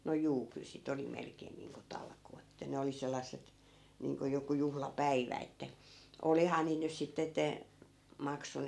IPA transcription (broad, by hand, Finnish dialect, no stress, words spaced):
no juː kyl sit oli melkeːn niːŋko tɑlkoːt ĕtːæ ne oli selˑɑsːet niːŋko joku juhlɑpæiʋæ etːæ olihɑː niːt nys sitːe etːe mɑkson